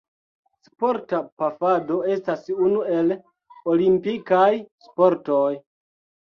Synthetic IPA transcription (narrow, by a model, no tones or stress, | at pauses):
spoɾtapafado̞e̞stasunue̞l | olimpikajspo̞ɾtoj